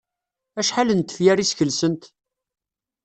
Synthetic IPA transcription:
æʃħalənt̪ːə̥fjæɾisçəlsənt̪

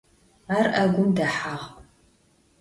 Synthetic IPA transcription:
aːrʔɐɡʷʊmdɐħaʁ

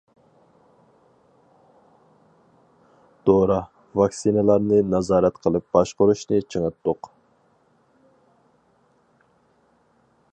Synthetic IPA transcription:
d̪̥oɾɑ | vɑksinlˠɑɾnɨnɑzɑːɾɛt̪qʰəlˠɨp̚bɑʃqʊɾuʃnɨt͡ʃʰəŋɨt̪ːʊq

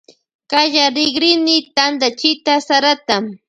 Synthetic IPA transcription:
kaʒaɾɪɡɾɪnɪt̪and̪at͡ʃɪt̪asaɾat̪a

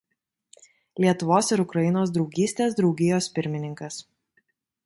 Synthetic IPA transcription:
lʲiɛt̪ʊʋoːsɪɾʊkɾɐjɪnoːs̬d̪ɾɒʊɡʲiːsʲt̪ʲeːsd̪ɾɒʊɡʲɪjoːspʲɪɾʲmʲɪnʲɪŋkɐs

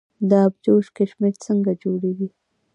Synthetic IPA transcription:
d̪əabd͡ʒoʃkeʃmeɾt͡səŋɡad͡ʒoɽeɡi

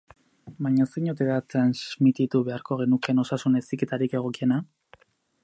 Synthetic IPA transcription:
baɲasiɲot̪̬e̞ðat̪ɾanzmit̪it̪uβe̞aɾko̞ɣ̞e̞nuke̞no̞sasune̞sike̞t̪aɾike̞ɣ̞o̞kie̞na

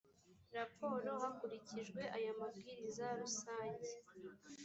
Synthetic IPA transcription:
ɾapʰo̞ːɾo̞hakuɾiciʒɡwe̞ʔajamabɡiːɾizaɾusaːɲɟe

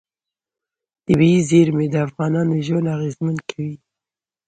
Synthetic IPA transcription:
d̪̥əbizeɾmed̪əafɣɑnɑnoʒonaɣezmankʰawi

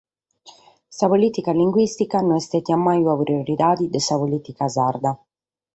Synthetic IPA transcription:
sapoliːt̪ikaliŋɡwist̪ikanɔnɛst̪ɛt̪iamːajuapɾioɾid̪aːd̪id̪ɛsapoliːt̪ikazard̪a

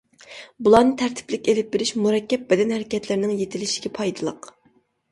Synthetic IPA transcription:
bulˠɑnɨt̪ʰæɾt̪ʰɪ̥plɪkʲelɪp̚beɾɪʃmuɾɛkʲːɛp̚bɛd̪ɛnhæɾɪkʲɛt̪lɪɾnɪŋjet̪ʰɪlɪʃi̥ɡʲɛpʰɑjd̪ɨlˠəq

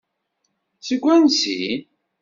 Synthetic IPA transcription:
siɡʷːænsḭ

